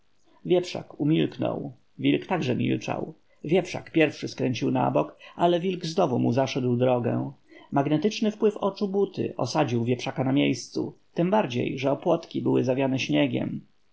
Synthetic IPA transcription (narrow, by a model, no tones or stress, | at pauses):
vʲjɛpʂa̰kumʲilknɔ̰w | vʲilkt̪aɡʐɛmʲḭlt͡ʂa̰w | vʲjɛpʂa̰kpʲjɛɾfʂɘskɾɛɲʲt͡ɕiwna̰bɔkʔalɛvʲilɡznɔvumuzaʂɛd̪wd̪ɾɔɡɛ̰̃maɡnɛt̪ɘt͡ʂnɘfpwɘfɔt͡ʂubut̪ɘ̰ʔɔ̰sad͡ʑiwvʲjɛpʂakanamʲjejst̪sṵt̪ɘmbaɾd͡ʑḛjʐɛɔpwɔt̪kʲibɘwɘzavʲjanɛɕɲɛɡʲɛ̰m